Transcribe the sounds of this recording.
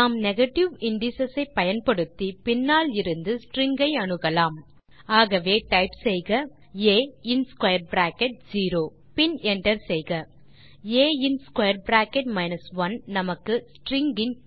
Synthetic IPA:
naːmnɛɣɐʈːɪʋɪɳɖɪsɐsɐɪpːɐjɐnpɐɽɯt̪ːipɪnːaːlɪɾɯnd̪ɯsʈɾɪŋɡɐɪɐɳɯɣɐlaːm | aːɣɐʋeːʈɐɪpsɛjɣɐ | eːɪnskwɐjɐɾbɾaːkɛʈ̚d͡ʒiːɾoː | pɪnɛɳɖɐɾsɛjɣɐ | eːɪnskwɐjɐɾbɾaːkɛʈmɐɪnɐsʋɐnnɐmɐkːɯsʈɾɪŋɡɪn

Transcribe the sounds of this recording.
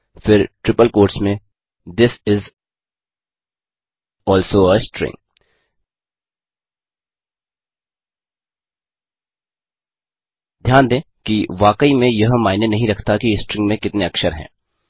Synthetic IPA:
fɪɾʈɾɪpəlkoːɾʈsmẽ | d̪ɪsɪz | ɔːlsoːəsʈɾɪ̰̃ŋ | d̪ʱjaːnd̪ẽː | kiʋaːkəimẽjɐɦmaːnenɐɦĩɾɐkʰt̪akisʈɾɪ̃ŋɡmẽkɪt̪neɐksəɾɦɛ̰̃ː

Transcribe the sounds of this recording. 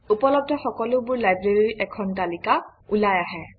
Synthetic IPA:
upɔlɔb̚dʱɔxɔkɔlʊbʊɹlajbɹeɹiɹiʔɛkʰɔntalikaulajaɦɛ

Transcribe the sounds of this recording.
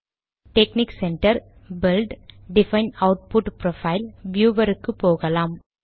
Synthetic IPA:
ʈekniːksɛɳʈɐɾ | bɪlɖɖɪfɐɪnɐʊʈ̚pʊʈpɾofɐɪlʋjuːʋɐɾɯkːɯpoːɣɐlaːm

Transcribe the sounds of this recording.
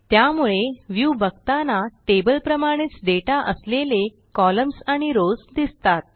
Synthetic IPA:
t̪jamuɭeʋjubʱəɡt̪anaʈebəlpɾəmaɽ̃iːt͡sɖ̪eʈaʔəslele | kɔləmsaɽ̃iɾod͡zd̪ist̪at̪̚

